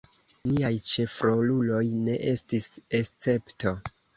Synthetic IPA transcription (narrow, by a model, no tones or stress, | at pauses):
niajt͡ʃe̞fɾo̞lulo̞jne̞ʔe̞stise̞st͡se̞pto